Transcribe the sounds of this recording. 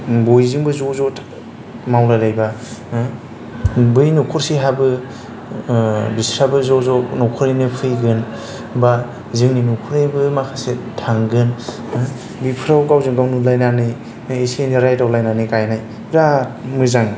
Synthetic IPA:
bojzɯŋbɯzɔzɔ | mawlajlajba | bɯjnukʰɔɾsiɦabɯ | bisɾabɯzɔzɔnɔkʰɔɾinɯpʰɯjɡɯn | ba | zɯŋninukʰuɾejbɯmakʰasetʰaŋɡɯn | bipʰɯɾawɡawzɯŋɡawnulajnanɯj | iseniɾajtawlajnanɯkajnaj | ɾamɯzaŋ

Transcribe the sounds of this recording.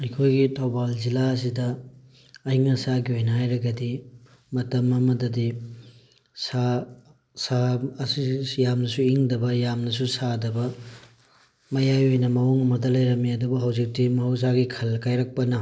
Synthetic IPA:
ɐjkʰojɡitʰawbalzilaɐs̬idɐː | iŋɐsaɡiojnaajɾɐɡɐdi | mɐtɐmɐmɐdɐdi | sa | sasijamnɐsuiŋdɐbɐjamnɐsusadɐbɐ | mɐjajojnɐmɐwoŋɐmɐdɐlɐjɾɐmiɐdubɐɦɐwzik̚timɐhɐws̬aɡikʰɐlkajɾɐk̚pɐnɐ

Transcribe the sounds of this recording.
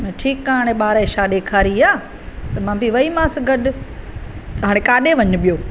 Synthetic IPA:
mɛ̃ːʈʰiːkaɦaːɽ̃ẽɓaːɾeʃaɗeːkʰaːɾiaː | t̪ɐmãːbʱiʋɐimãːsɡɐɗ | ɦaːɽ̃ekaːɗeʋɐɲʊ̆ɓijoː

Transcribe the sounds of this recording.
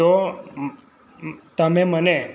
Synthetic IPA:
o | t̪əmẽməne

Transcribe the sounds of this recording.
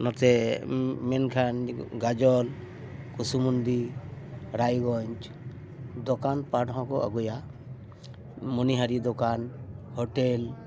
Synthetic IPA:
nɔt̪ɛ | mɛnkʰanɡad͡ʒɔl | kusumund̪i | ɾajɡɔɲt͡ʃ | d̪ɔkanpaʈɦɔ̃kɔa̰ɡuja | mɔniɦaɾid̪ɔkanhɔʈel

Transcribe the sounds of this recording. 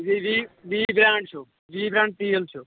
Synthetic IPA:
ʋiʋiʋiːbɾãːɳɖt͡ʃʰu | ʋiːbɾãːɳɖ̚t̪iːəlt͡ʃʰu

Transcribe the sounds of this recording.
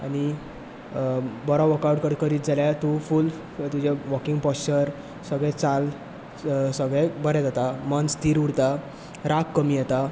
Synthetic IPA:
a̰ɽ̃i | bɔɾɔʋəkawʈkəɾkəɾiːt̪̚d͡zʱaljat̪uful | t̪ud͡ʑeʋɔkiŋɡpɔst͡ɕəɾ | səɡɭɛ̃t͡sal | səɡɭɛ̃bəɾɛt̪at̪amənt͡st̪iːɾuɽt̪a | ɾakːəmiːjɛt̪a

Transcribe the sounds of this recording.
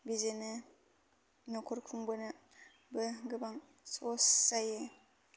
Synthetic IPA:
bizenɯ | nɔkʰɔɾkʰuŋbɯnɯ | bɯɡɯbaŋ | sosːaje

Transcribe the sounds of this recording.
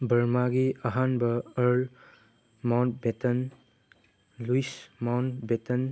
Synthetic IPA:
bɐɾmaɡiaɦanbɐəɾl | mawntbetən | luismawntbetən

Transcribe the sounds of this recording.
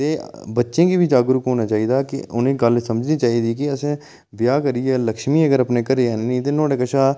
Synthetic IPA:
t̪eːbətːʃẽːkiːbʱid͡ʒaːɡɾʊkɦoːnaːt͡ʃaːiːd̪aːkɪʊnẽːɡəlsəməd͡ʒniːt͡ʃaːiːd̪iːkɪəsẽː | bjaːkəɾiɛːləkʃmiːəɡəɾəpneːkəɾeːannĩt̪eːnoːɽeːkəʃaː

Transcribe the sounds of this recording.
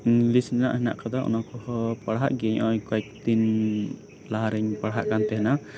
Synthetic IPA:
lisnɛna̰ʔɦɛna̰ʔkad̪aʔṵnakɔhɔpaɽɦaʔɡɛɲʔɔjkɔjk̚t̪in | laɦaɾɛɲpaɽɦaʔkant̪ɛɦɛna

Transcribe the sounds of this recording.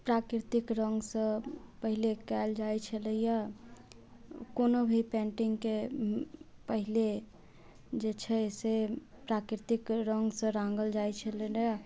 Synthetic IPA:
pɾakɾɾt̪ikɾəŋɡsə̃pəɦilekɛld͡ʒajt͡ʃʰələja | konobʱipɛ̃ɳʈiŋɡke | pəɦile | d͡ʒet͡ʃʰɛese | pɾakɾɾt̪ikɾəŋɡsə̃ɾãŋɡəld͡ʒajt͡ʃʰələna

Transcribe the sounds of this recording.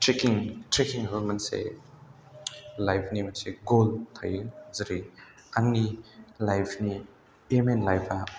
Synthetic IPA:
tɾekiŋtɾekiŋɐbɯmɐnsḛ | lajpʰnimɐnseɡolt̪ʰa̰jzɐɾi | aŋnilajpʰni | emenlajpʰa

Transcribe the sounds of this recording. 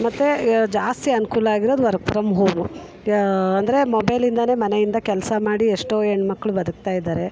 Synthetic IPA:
mɐt̪ːed͡ʒaːst̪iɐnukuːlɐaːɡiɾo̞ːd̪uʋɐɾɡ̚pʰɾɐmɦoːmu | ɐnd̪ɐɾemɔbɐjlind̪ɐne̞ːmɐnejind̪ɐkɛlɐsɐmaːɽieʂʈoːeɳɖmɐkːɐɭubɐd̪uk̚t̪aːjid̪aːɾe̞

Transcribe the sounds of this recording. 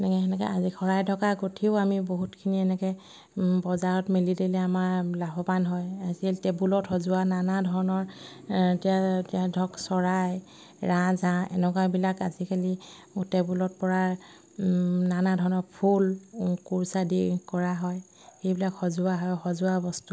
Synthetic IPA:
nɛkɛɛnɛkɛ̰ʔazikʰɔɹajdʰʱɔkaɡotʰiʊamiboɦutkʰiniɛnɛkɛ | bɔzaɹɔtmelidelɛamaɹlabɔbanɦɔjaziltɛbulɔthɔzʊwananadʱɔɹɔnɔɹ | tɛjatijadʱɔksɔɹaj | ɹãzãɛ̰nɛkwabilakazikʰali | utɛbulɔt̚pɔɹa | nanadʱɔɹɔnɔɹpʰulkuɹsadikɔɹaɦɔj | xejbilakhɔzʊaɦɔjxɔzʊabɔstu

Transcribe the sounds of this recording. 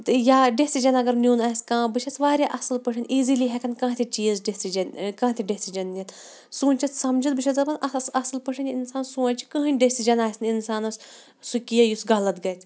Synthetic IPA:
t̪ɨjaːɖesid͡ʒɐnɐɡɐɾnʲuːnaːskãːbɨʃʰɐt͡sʋaːɾʲjaʔɐsɨlpɨʂʰɐnʲʔiːziliɦɛkʰɐnkãːt̪ʰit͡ʃiːzɖesid͡ʒɐnʲkãːt̪ʰiɖesid͡ʒɐnːjɐt̪ | sũːnʲt͡ʃʰɐt͡s̪sɐmd͡ʒɐt̪̚bɨʃʰɐt̪zɐpɐnɐsɐsɐlpɨʂʰɐnʲinsaːnsũːnʲt͡ʃʰi̥kə̃ɦɨnʲɖesid͡ʒɐnaːsʲnʲinsaːnɐs | sukʲijɐjusɡɐlɐt̪ɡɐt̪ʲʰ

